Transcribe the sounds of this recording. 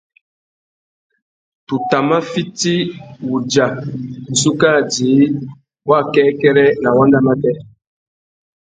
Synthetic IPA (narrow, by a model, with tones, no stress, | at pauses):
tu˨ta˨mã˦fi˦ti˦wu˨d͡ʒa˨su˦ka˦˨d͡ʒi˨˦ | wa˦˨kɛ˦kɛ˦ɾɛ˦na˨wa˦nda˦ma˦tɛ˦